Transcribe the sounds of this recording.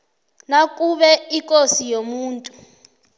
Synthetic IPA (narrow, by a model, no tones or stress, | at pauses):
nak̬ʼuɓɛikʼosijomuːntʼu